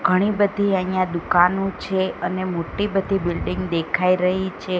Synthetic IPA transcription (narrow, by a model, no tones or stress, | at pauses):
ɡʱəɽ̃ibəd̪ʱiaijãd̪ukanũt͡ʃʰeənemoʈibəd̪ʱibilɖĩŋɡd̪ekʰaiɾəɦit͡ʃʰe